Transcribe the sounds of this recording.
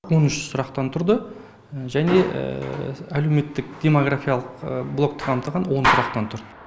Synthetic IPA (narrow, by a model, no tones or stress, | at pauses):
wo̞nʏʃsʊɾɑqt̪ɑnt̪ʰʊɾd̪ə | ʒæne̞̰ælewme̞t̪ːɪk̚d̪̥ʲe̞moɡrafʲijalˠəqblˠo̞k̚t̪ə̥qʰɑmt̪ɑʁɑnwo̞nsʊɾɑqt̪ɑnt̪ʰʊɾd̪ə